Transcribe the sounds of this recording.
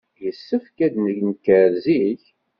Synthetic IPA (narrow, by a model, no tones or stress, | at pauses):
jəsːəfkæd̪nəʝnkəɾziç